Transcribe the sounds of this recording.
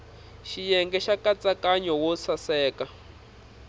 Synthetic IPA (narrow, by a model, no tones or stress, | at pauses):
ʃijɛŋɡɛʃakat͡sʼakʼaɲɔwɔsʰasɛːka